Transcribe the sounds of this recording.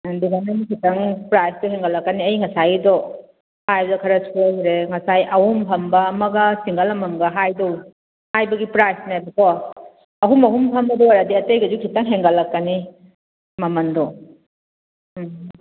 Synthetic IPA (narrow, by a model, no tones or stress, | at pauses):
diamenkʰitɐŋpɾajsdɔɦeŋɡɐlːɐkːɐniɐjŋɐsajdɔ | hajzɐkʰɐɾɐsʰuajɾeŋɐsajʔɐwumpʰɐmbɐːmɐɡɐsiŋɡɐlɐmɐŋɡɐɦajdow | hajbɐɡipɾajsnajbɐkʰɔ | ɐɦumɐɦumpʰɐmbɐdɔwaɾadiɐtejɡɐd͡ʒukʰitɐŋɦeŋɡɐlːɐkːɐni | mɐmɐndɔ